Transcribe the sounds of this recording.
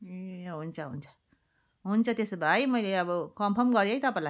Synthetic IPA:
eɦunt͡sʰʌɦunt͡sʰʌ̥ | ɦunt͡sʰʌt̪esbʱajmʌjleʌbʌkʌmpʰʌrmɡʌɾjʌjt̪ʌpãla

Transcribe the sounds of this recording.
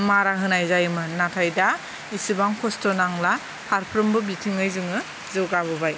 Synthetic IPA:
maɾaɦɯnajzajmɯnatʰajda | isɯbaŋkʰɔstɔnaŋla | pʰaɾpʰɾɯmbɯbitʰiŋɯjzɯŋɯ | zɯɡaβɯbaj

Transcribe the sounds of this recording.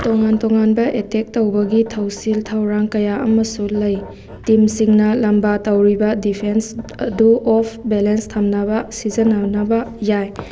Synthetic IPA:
toŋantoŋanbɐʔetek̚tɐwbɐɡitʰɐwsiltʰɐwɾaŋkɐjaʔɐmɐsulɐj | timsiŋnɐlɐmbatɐwɾibɐdipʰensɐduʔɔpʰbelenstʰɐmnɐbɐsizɐnɐnɐbɐjaj

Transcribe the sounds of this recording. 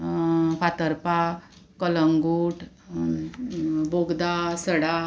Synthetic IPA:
pat̪əɾpa | kələŋɡuʈʰ | boɡd̪asəɽa

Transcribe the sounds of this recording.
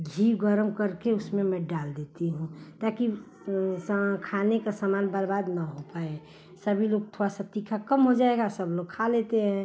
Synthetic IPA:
ɡʱiɡəɾəmkəɾkeʊsmẽmɛ̃ɖald̪et̪iɦũt̪aki | kʰanekasamaːnbəɾbaːd̪naɦopae | səbʱiloɡ̚t̪ʰoɾasət̪ikʰakəmɦod͡ʒaeɡasəbloɡ̚kʰalet̪eɦɛ̃

